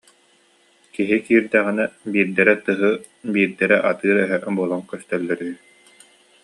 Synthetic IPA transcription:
kiɦikiːɾd̪æʁinɛbiːɾd̪ɛɾɛt̪ɯɦɯ | biːɾd̪ɛɾɛʔat̪ɯːɾœɦœbuɔlˠaŋkœst̪œlːœɾyː

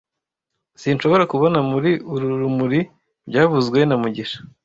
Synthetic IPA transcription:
sinʃo̞βo̞ɾakuβo̞namuɾiuɾuuɾumuɾi | bɟaːβuzɡwe̞namuɟiʃḁ

